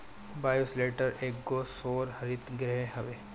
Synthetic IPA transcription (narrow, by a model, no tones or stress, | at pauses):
baːjusleːʈəɾeːkɡoːsoːɾhɐɾɪt̪ɡɾɛɦeɦɐʋeː